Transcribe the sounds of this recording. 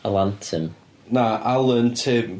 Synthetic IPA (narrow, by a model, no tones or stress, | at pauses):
əlˠantʰəm | naʔalˠəntʰe